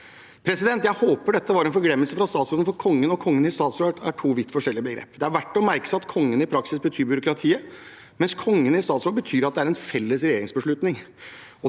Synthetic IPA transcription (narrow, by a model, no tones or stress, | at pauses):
pʰɾɛsɪd̪ɛnt̪jæɪhoːpəɖɛt̪ːəʋɑɾɛnfɔɾɡlɛmːəlsəfɾɑst̪ɑːt̪sɾoːd̪n̩fɔɾkʰɔŋːənɔkʰɔŋːənɪst̪ɑːt̪sɾoːɖ̪æʈʰuːʋɪt̪ːfɔʂɛlɪəbəɡɾḛːpd̪ɛæɾʋæʈːɔmæɾkə̥sɪɑt̪kʰɔŋːənɪpʰɾɑksɪsbət̪ʰyːɾbjʏɾʊkɾɑt̪ʰiːə | mɛnskʰɔŋːənɪst̪ɑːt̪sɾoːbət̪ʰyːɾɑt̪̚d̪ɛæɾɛnfɛlːəsɾɛjeːɾɪŋsbəʂɭʉt̪nɪŋ | ɔ